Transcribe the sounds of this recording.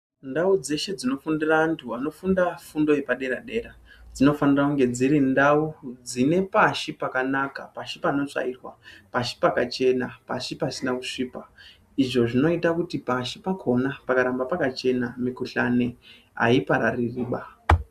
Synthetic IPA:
ndaud͡ze̞ʃe̞d͡zino̞fundiraːntʰuano̞fundafundo̞je̞paɗe̞ɾaɗe̞ːra | d͡zino̞fanirakuŋɡe̞d͡ziɾindaud͡zine̞paʃipakanaka̰paʃipano̞t͡ʂa̰irwa̰paʃi̥pakat͡ʃe̞napaʃipasinakuʂiːpa | iʐo̞ʐino̞itakutipaʃipakʰo̞napakaɾambapakat͡ʃe̞namikuɬane̞ | a̰ipaɾaririːɓa

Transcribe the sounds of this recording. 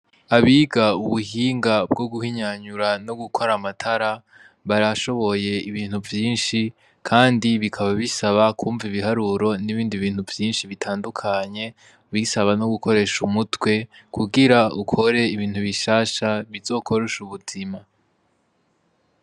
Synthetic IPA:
aβiːɡauβuhiːŋɡab̚ɡo̞ɡuhiɲaɲuɾano̞ɡukʰoɾamatʰaɾa | βaɾaʃo̞βo̞je̞iβiːn̥huvjiːnʃi | kʰaːndiβikʰaβaβisaβakʰuːɱviβiɦaɾuɾo̞niβiːndiβiːn̥huvjiːnʃiβitʰaːndukʰaɲe̞ | βisaβano̞ɡuko̞ɾe̞ʃumutwe̞kuɡiɾaukʰo̞ɾe̞iβiːn̥huβiʃaːʃaβizo̞ːkʰo̞ɾeʃuβuzima

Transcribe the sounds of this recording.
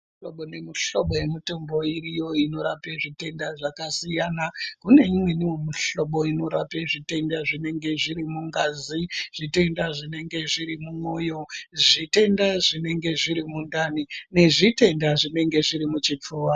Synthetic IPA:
oɓonemiɬo̞ɓo̞jemitombo̞irijo̞ino̞ɾapeʐite̞ndaʐakasijaːnakune̞imwe̞niwemiɬo̞ɓo̞ino̞ɾa̰peʐite̞ndaʐine̞ŋɡe̞ʐiɾimuŋɡaːziʐ̥ite̞ndaʐine̞ŋɡe̞ʐiɾimumojo̞ʐite̞ndaʐine̞ŋɡe̞ʐiɾimundanine̞ʐite̞ndaʐine̞ŋɡe̞ʐiɾimut͡ʃit͡ʂoːwa

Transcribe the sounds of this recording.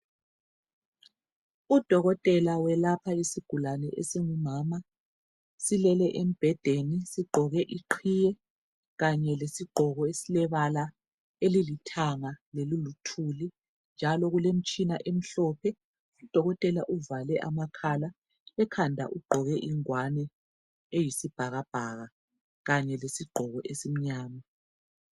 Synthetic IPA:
ud̥ʱɔɣɔtʼɛlawɛlapʰaisiɡ̥ʱulanɛʔḛsiŋumama | silɛlɛʔem̩b̥ʱɛd̥ʱenisiɡ͡ǃʱɔɣɛʔiǃʰijɛ | ɣaɲɛlesiɡ͡ǃʱɔɣɔesilɛβala | elilitʰaŋalelulutʰuli | nd͡ʒʱalɔɣulem̩t͡ʃʼinaʔem̩ɬɔpʰɛ | ud̥ʱɔɣɔtʼɛlaʔuvalɛʔamakʰala | ɛkʰandʱa̰ʔuɡ͡ǃʱɔɣɛʔiŋwanɛ | ejisib̥ʱaɣab̥ʱaɣa | ɣaɲɛlesiɡ͡ǃʱɔɣɔʔesim̩ɲaːma

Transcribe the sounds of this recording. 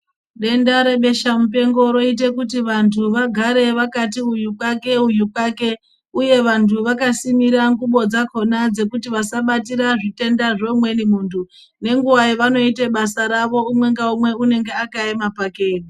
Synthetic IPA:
ɗe̞ndaɾe̞ɓe̞ʃamupe̞ŋɡo̞ɾo̞it̬e̞kut̬iʋantʰuʋaɡʱaɾe̞ʋakatiujukwake̞ujukwake̞ | uje̞ʋantʰuʋakasimiɾaŋɡuɓo̞d͡zako̞nad͡ze̞kutiʋasaɓatiɾaʐite̞ndaʐo̞mwe̞nimuːntʰu | ne̞ŋɡuʋaiʋano̞ite̞ɓasaɾaʋo̞umwe̞ŋɡaumwe̞une̞ŋɡe̞akaemapakeːni

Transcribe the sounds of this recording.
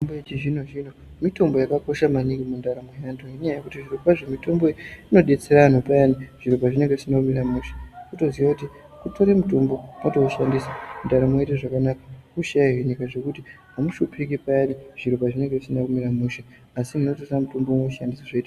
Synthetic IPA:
mboet͡ʃiʐino̞ʒino̞ | mito̞mbo̞jakako̞ʃamaniŋɡimundaɾamojandoŋɡeɲjajekutiʐiropaʐemito̞mbo̞ino̞ɗe̞t͡se̞ɾan̤opajaniʐ̥iɾopaʐine̞ŋɡeʐisinakumiɾamuʃe̥kutoziwakuti | kuto̞ɾemutombo̞atouʃandisamundaɾamoeteʐakanakḁkuʃajaɦweɲikaʐe̞kuti | ɦamuʃupʰikipaariʐ̥iɾopaʐine̞ŋɡe̞ʐisinakumiɾamuʃe | asinino̞toamutomboumoʃandisaʐeiːta

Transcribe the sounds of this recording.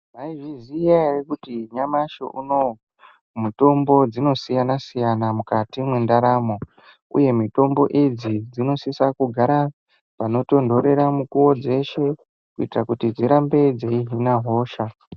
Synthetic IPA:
baiʐizijaerekutiɲamaʃo̰ʔuno̞ | muto̞mbo̞d͡zino̞sijanasijanamukatimwendaɾaːmo̞ | ṵje̞mito̞mbo̞̰ʔid͡zid͡zino̞sisakuɡʱaɾa | pano̞to̞ndo̞ɾe̞ɾamukuwo̞d͡ze̞ʃe̞ | kuitirakutid͡ziɾambe̞d͡zeiɦinaɦo̞ːʃa

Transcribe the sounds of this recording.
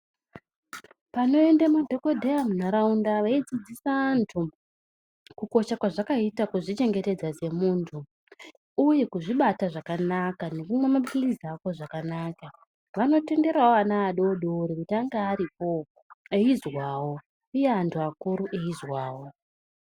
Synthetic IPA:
pano̞e̞ndamudʱo̞ko̞dʱe̞jamunaɾaundaʋaid͡zid͡zisaantʰu | kuko̞ʃakwaʐakaitakuʐit͡ʃe̞ŋɡe̞te̞d͡zaze̞muːntʰu | uje̞kuʐiɓataʐakanakane̞kumwemaɓilizako̞ʐakanaːka | ʋano̞te̞nde̞ɾaoanaːɗo̞ɗoɾikutiaŋɡaːɾip̚o̞ | eizwaːwo̞ | ujeantʰuakuɾuʔeizwaːwo̞

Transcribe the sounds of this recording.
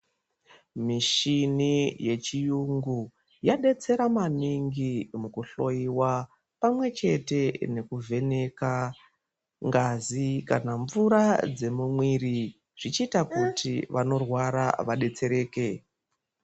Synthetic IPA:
miʃinije̞t͡ʃijuŋɡu | jaɗe̞t͡se̞ɾamaniŋɡimukuɬo̞iwa | pamwe̞t͡ʃe̞te̞ne̞kuvʱe̞ne̞ka | ŋɡazika̰naɱvuɾad͡ze̞mumwiɾi | ʐ̥it͡ʃiːtakutʰiʋʔano̞rwaɾa̰ʋaɗe̞t͡se̞ɾe̞ːke

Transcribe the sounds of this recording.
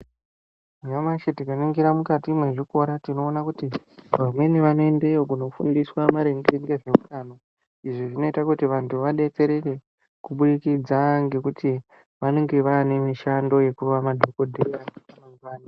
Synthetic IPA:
jamaʃetikaniŋɡiɾamukatimwe̞ʐiko̞ɾatino̞ːnakuti | ʋamwe̞niʋano̞e̞ndejokuno̞fṵndiswamaɾe̞ŋɡeŋɡe̞ʐe̞mukano̞ | iʐiʐino̞itakutiʋantʰuʋaɗe̞t͡se̞ɾe̞re̞ | kuɓuɗikid͡zaŋɡe̞kuti | ʋane̞ŋɡe̞ʋane̞miʃando̞je̞kuʋamadʱoko̞dʱeraŋepanoŋʋaːni

